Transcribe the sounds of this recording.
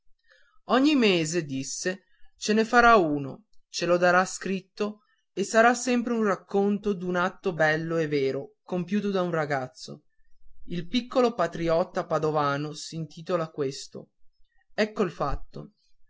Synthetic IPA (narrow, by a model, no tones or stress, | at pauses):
ɔɲːimeːzed̪isːe | t͡ʃenefaɾauːno̰t͡ʃelod̪aɾaskɾit̪ːo | esːaɾasːɛmpɾeunrakːont̪od̪unat̪ːobɛlːoeveːɾokompjuːt̪od̪aunraɡat̪sːo̰ | ilpikːolopat̪ɾiɔt̪ːapad̪ovaːnosint̪iːt̪olakwest̪o̰ | ɛkːoilfat̪ːo̰